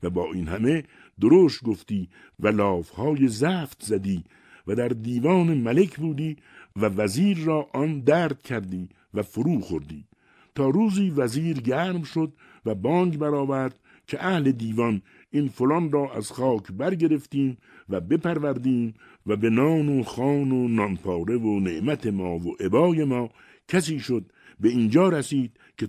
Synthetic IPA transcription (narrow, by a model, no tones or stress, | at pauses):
væbɒːʔiːnhæme̞ | d̪oɾoʃt̪̚ɡo̞ft̪iː | vælɒːfhɒːjezæːft̪zæd̪iː | væd̪æɾd̪iːvɒːnemæle̞kʰbuːd̪iː | vævæziːɾrɒːʔɒnd̪æːɾd̪̚cʰæɾd̪iː | væfoɾuːxo̞ɾd̪ḭː | t̪ʰɒːɾuːziːvæziːɾɟæːɾmʃo̞d̪ | væbɒːŋɡbæɾɒːvæɾd̪̥̚ | kʰeʔæhle̞d̪iːvɒn | infolɒːnrɒːʔæz̥xɒːkʰbæɾɟe̞ɾeft̪iːm | væbe̞pæɾvæɾd̪iːm | væbe̞nɒːnoxɒːnonɒnpʰɒːɾe̞voneʔmæt̪ʰe̞mɒːvoʔe̞bɒːje̞mɒː | cʰæs̬iːʃo̞d̪̚ | be̞ind͡ʒɒːɾæsiːd̪̥̚ | kʰe